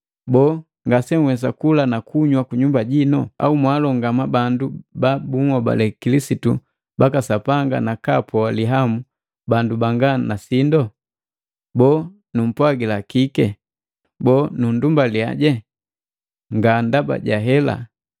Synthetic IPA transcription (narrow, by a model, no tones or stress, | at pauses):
bɔː | ŋɡasɛŋwɛsakulanakuɲwakuɲumbaɟinɔ̰a̰umwalɔŋɡamabandubabuŋɔba̰lɛkilisitu | bakasapaŋɡa̰nakapɔaliɦamu | bandubaŋɡanasindɔ | bɔː | num̩pwaɡilakikɛ | bɔːnundumbalia̰ɟɛ | ŋɡandaba̰ɟaɦɛla̰